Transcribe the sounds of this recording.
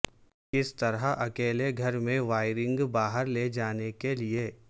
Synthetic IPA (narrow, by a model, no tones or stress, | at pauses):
kɪst̪ɐɾəʔɐkeːleɡʱɐɾmẽʋaːɪɾɪ̃ŋɡbaːɦəɾled͡ʒaːnekelie